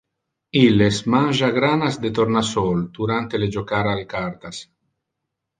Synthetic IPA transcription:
ilesmanʲʒaɡɾanazd̪et̪oɾnasold̪uɾant̪eled͡ʒokaɾalkaɾt̪as

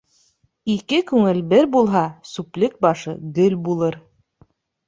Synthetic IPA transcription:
ikɘkʉŋɘlbɘɾbulˠɦɑsuplɘk̚bɑʃɤɡɵlbulˠɤɾ

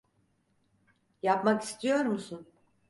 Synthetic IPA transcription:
japmaki̥st̪ʰijo̞ɾmusun

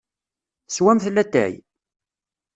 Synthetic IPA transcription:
swæmθlːæt̪ːæ̰j

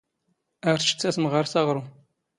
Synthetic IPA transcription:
æɾt͡ʃːə̥t͡sːæsmʁəɾsɑʁɾˤu

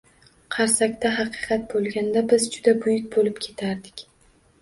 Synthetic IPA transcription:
qʰɑɾsakʲt̪aɦɑqʰɨqʰɑt̪̚bolˠɡʲand̪abɪzd͡ʒʊd̪abʊjʊk̚ʲbolɪpkʲʰe̞t̪ʰaɾd̪ɪkʲ

